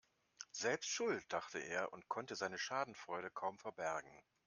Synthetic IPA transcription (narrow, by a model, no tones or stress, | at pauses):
z̥ɛlpstʃʊlt̚d̥aχtəʔḛːɐʔʊ̰ntkʰɔntəzaɪnəʃaːdn̩fʁ̥ɔʏɾəkʰaʊmfɛɐbɛɐɡŋ̩